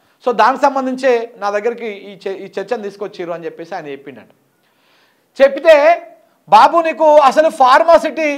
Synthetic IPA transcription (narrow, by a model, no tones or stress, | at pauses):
so̞ːd̪aːnikisɐmbɐnd̪iɲt͡ʃeːnaːd̪ɐɡːɐɾik̬iiːt͡ʃɐɾt͡ʃɐnt̪iːsu̥kot͡ʃːiːɾuɐnit͡ʃepːe̞ːsiaːjnɐt͡ʃepːiɳɖɐɳʈɐ̥ | t͡ʃepːit̪eː | baːbuniːkuɐsɐlupʰaːɾmasiʈi